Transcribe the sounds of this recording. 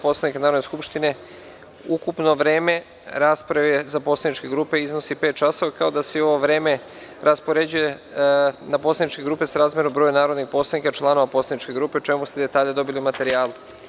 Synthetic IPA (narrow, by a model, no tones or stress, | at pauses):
po̞slad̪nikanaːɾo̞d̪neskupʃt̪ine̞ | ukupno̞ʋɾe̞ːme̞ | ɾaːspɾaʋezaposlad̪nit͡ʃke̞ɡɾuːpe̞iznosipe̞ːt̪t͡ʃaso̞ʋakaod̪aseio̞ʋoʋɾe̞ːme̞ | ɾʔaspo̞ɾe̞d͡ʑuje̞ | napo̞slad̪it͡ʃke̞ɡɾuːpe̞saɾaːzmjeɾombɾojunaːɾo̞d̪nixpo̞ːslad̪nikat͡ʃlˠano̞ʋaposlad̪nit͡ʃke̞ɡɾuːpe̞ot͡ʃe̞must̪ed̪e̞t̪aːʎɲed̪o̞bilimat̪e̞ɾiaːlu